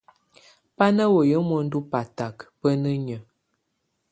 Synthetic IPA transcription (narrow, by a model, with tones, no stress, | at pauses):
pa˦nə˦wo˨jə˦mɔ˦n̩˦du˦pa˨ta˨kpə˦nə˦ɲə˨